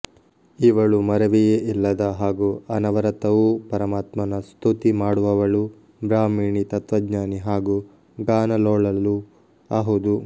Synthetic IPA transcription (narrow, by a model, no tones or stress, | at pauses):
iʋɐɭumɐɾɐʋijeʔilːɐd̪ɐɦaːɡuɐnɐʋɐɾɐt̪ɐʋupɐɾɐmaːt̪mɐnɐst̪ʰut̪imaːɽuʋɐʋɐɭu | bɾaːmiːɳit̪ɐt̪ʋɐd͡ʒɲaːniɦaːɡu | ɡaːnɐloːɭɐlːu | aːɦɐd̪u